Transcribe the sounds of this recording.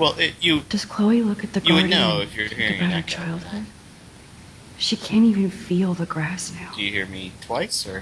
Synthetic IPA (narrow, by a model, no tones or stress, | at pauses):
wɛlˠʔɪjɨd̥ʌz̥kʰl̥oʊilʊkɨt̪̚ðɨɡjɨwɨdⁿnoʊɪfjə˞hiɹɨɪ̃ŋbaɾə˞t͡ʃʰaɪlˠd̥̚hʊd̥ | ʃikʰæ̃ntivɨ̃nfilˠðəɡɹæsnaʊd̥ɨjɨhḭɹmitʰw̥aɪsə˞